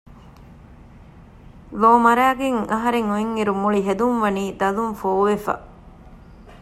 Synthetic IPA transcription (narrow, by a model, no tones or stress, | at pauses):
ʋoːmɐɾæːɡeŋɐɦɐɾeŋueŋːiɾumuɭiɦed̪unʋɐniːd̪ɐlumfoːʋefa̰